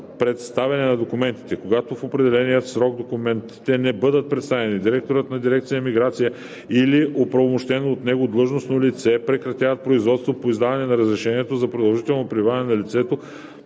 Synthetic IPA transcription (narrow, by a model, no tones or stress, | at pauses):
pɾɛt̪st̪avɛnɛnɐd̪okʊmɛnt̪i̥t̪ɛkoɡat̪ofopɾɛd̪ɛlɛnijət̪sɾɔɡ̚d̪okumɛnt̪i̥t̪ɛnɛbɤd̪ət̪̚pɾɛt̪st̪avɛnid̪iɾɛk̚t̪oɾət̪nɐd̪iɾɛk̚t̪sijəmiɡɾat̪sijə | iliʔopɾɐvomoʃt̪ɛnoːt̪nɛɡod̪lˠɤʒnosnolit̪sɛpɾɛkɾɐt̪ʲjavɐt̪̚pɾoizvɔt̪st̪vopoizd̪avɐnɛnɐɾəzɾɛʃɛniɛt̪ozɐpɾod̪ɐlˠʒit̪ɛlˠnopɾivavnɛnɐlit̪sɛt̪o